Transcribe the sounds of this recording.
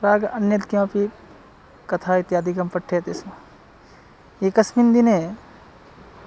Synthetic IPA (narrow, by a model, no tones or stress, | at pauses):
pɾaːɡɐnjɐd̪kjãːpi | kɐt̪ʰaːit̪jaːd̪ikɐmpɐʈʰːeːt̪esmɐ | eːkɐsmind̪ineː